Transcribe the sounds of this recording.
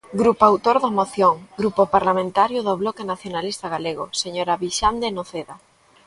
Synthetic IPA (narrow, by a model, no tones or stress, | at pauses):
ɡɾupoawt̪oɾðɐmoθjoŋɡɾupopaɾlamẽnt̪aɾjʊðoβlɔkenaθjonalist̪aɣaleɣʊ̰seɲoɾaβiʃand̪enoθeða